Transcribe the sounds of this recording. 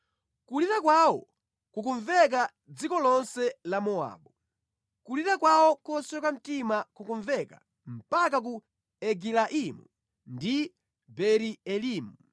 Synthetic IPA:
kuliɾak̬wawɔ | kukuɱvɛk̬a | d͡zikɔlɔnsɛlamɔa̰ːɓu | kuliɾakwawɔkɔsɛkwam̩timakukuɱvɛka̰ | m̩pakak̬u | ɛɡilaʔimṵ | ndi | bɛɾiɛliːmu

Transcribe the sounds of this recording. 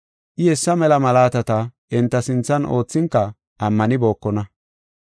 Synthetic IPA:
ʔɪhɛsːɐmɛlɐmɐlaːt̪ɐt̪ɐʔɛnt̪ːɐsɪnt͡sːɐnʔo̞ːt͡sːɪŋkːɐ | ʔɐmːɐnɪbo̞ːkːɔnɐ

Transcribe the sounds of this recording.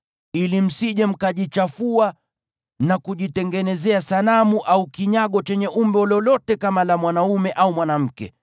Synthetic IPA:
ilim̩siʄɛm̩kaʄit͡ʃafua | nakuʄitɛŋɡɛnɛzɛasanamuʔaukiɲaɠɔt͡ʃɛɲɛʔumbɔlɔlɔtɛkamalamwanaumɛʔaumwanam̩kɛ̰

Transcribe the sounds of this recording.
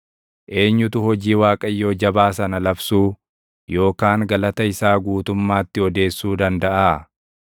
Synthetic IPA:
ʔe̞ːɲːʊt̪ʊhɔd͡ʒiːwaːkʼɐjːo̞ːd͡ʒɐbaːsɐnɐlɐbsuː | jo̞ːkaːŋɡɐlɐt̪ɐɪsaːɡuːt̪ʊmːaːt̪ːɪɔd̪e̞ːsːuːd̪ɐnd̪ɐʔaː

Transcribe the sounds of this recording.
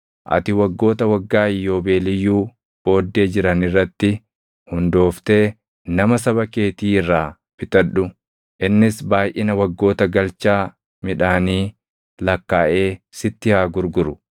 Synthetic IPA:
ʔɐ̰t̪ɪwɐɡːo̞ːt̪ɐwɐɡːaːɪjːo̞ːbe̞ːlɪjːuː | b̥o̞ːd̪ːe̞ːd͡ʒɪɾɐnɪrːɐt̪ːɪ | hʊnd̪o̞ːft̪e̞ː | nɐmɐs̬ɐβɐke̞ːt̪iːɪrːaː | fɪt̪ɐᶑʊ | ʔɪnːɪsbaːjʔɪnɐwɐɡːo̞ːt̪ɐɡɐlt͡ʃaː | mɪᶑaːniː | lɐkːaːʔe̞ːsɪt̪ːɪhaːɡʊɾɡʊɾʊ

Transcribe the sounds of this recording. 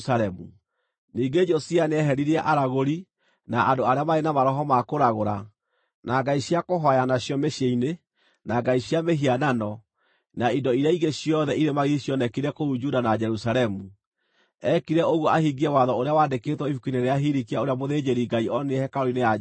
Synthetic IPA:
saɾɛmu | niːɡed͡ʒɔsianeɛɦɛɾiɾɛʔaɾaɣoɾi | naʔadoaɾeamaɾenamaɾɔɦɔmakoɾaɣoɾa | naɡaiɕjakoɦɔajanaɕjɔmeɕjeine | naɡaiɕjameɦiananɔ | naidɔiɾeaiɡeɕjɔðɛiɾemaɣiiɕjɔnɛkiɾɛkoud͡ʒudanad͡ʒɛɾusaɾɛmu | ɛkiɾɛoɣɔʔahiɡiɛwaðɔoɾeawaːndekeːtwɔihukineɾeaɦiɾikiaoɾeamoðeːd͡ʒeɾiɡaiɔneɛhɛkaɾoinea

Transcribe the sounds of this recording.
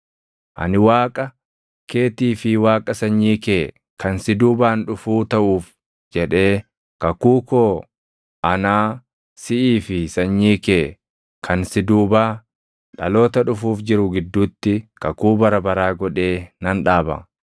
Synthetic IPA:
ʔɐ̰nɪwaːkʼɐ | ke̞ːt̪iːfɪwaːkʼɐsɐɲːiːkeː | kɐnsɪd̪uːbaːnᶑʊfuːt̪ɐʔuːf | d͡ʒɛᶑe̞ː | kɐkuːkoː | ʔɐnaː | sɪʔiːfɪsɐɲːiːkeː | kʰɐnsɪd̪uːbaː | ᶑɐlo̞ːt̪ɐᶑʊfuːfd͡ʒɪɾʊɡɪd̪ːuːt̪ːɪkɐkuːbɐɾɐbɐɾaːɡɔᶑe̞ːnɐnᶑaːbɐ̰

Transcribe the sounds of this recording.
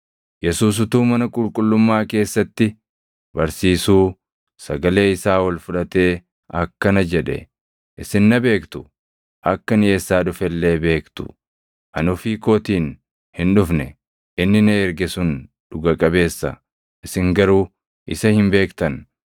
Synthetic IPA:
jɛsuːs̬ʊt̪uːmɐnɐkʼʊlkʼʊlːʊmːaːke̞ːsːɐt̪ːɪ | bɐɾsiːsuː | sɐɡɐle̞ːɪsaːwɐlfʊᶑɐt̪e̞ː | ʔɐkːɐnɐd͡ʒɛᶑɛ̰ | ʔɪsɪnːɐbe̞ːkt̪ʊ̥ | ʔɐkːɐnɪjeːsːaːᶑʊfɛlːe̞ːbe̞ːkt̪ʊ̥̰ | ʔɐnʊfiːko̞ːt̪iːn | hɪnᶑʊfnɛ | ʔɪnːɪneːɾɡɛsʊn | ᶑʊɡɐkʼɐbe̞ːsːɐ̰ | ʔɪsɪŋɡɐɾuː | ʔɪsɐhɪmbe̞ːkt̪ɐn

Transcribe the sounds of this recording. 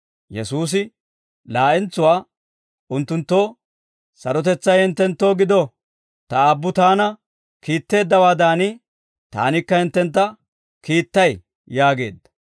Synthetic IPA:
jɛsuːs̬ɪ | laːʔɪnt͡sːʊwaː | ʊnt̪ːʊnt̪ːo̞ː | sɐɾɔt̪̬ɛt͡sːɐjɪnt̪ːɛnt̪ːo̞ːɡɪd̪o | t̪ɐːbːʊt̪aːnɐ | kiːt̪ːe̞ːd̪ːɐwaːd̪aːnɪ | t̪a̰ːnɪkːɐhɪnt̪ːɛnt̪̬ːɐ | kiːt̪ːɐj | jaːɡe̞̰ːd̪ːɐ̥

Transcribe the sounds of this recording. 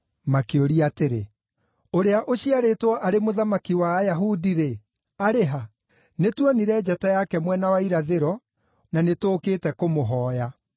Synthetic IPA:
makeoɾiateɾe | oɾeaʔoɕiaɾetwɔʔaɾemoðamakiwajaɦudiɾe | aɾeɦa | netwɔniɾɛd͡ʑatajakɛmwɛnawaiɾaðeɾɔ | nanetoːkeːtɛkomoɦɔːja

